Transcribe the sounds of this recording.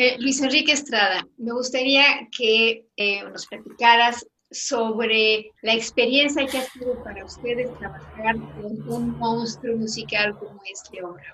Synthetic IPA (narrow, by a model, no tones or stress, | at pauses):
elwise̞nrikeːst̪ɾaðame̞ɣust̪aɾiake | no̞splat̪ikaɾasː | o̞βɾelaekspe̞ɾje̞nsjakeasiðo̞paɾaust̪e̞ðe̞st̪ɾaβaxaɾeŋunmõ̞nst̪ɾumusikalko̞moe̞sleoβɾaβ